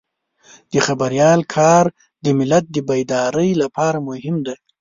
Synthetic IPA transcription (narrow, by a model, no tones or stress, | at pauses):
d̪̥əxabaɾjɑlkʰɑɾ | d̪əmɪlat̪̚d̪əbajd̪ɑɾəjlapɑɾamʊhɪmd̪a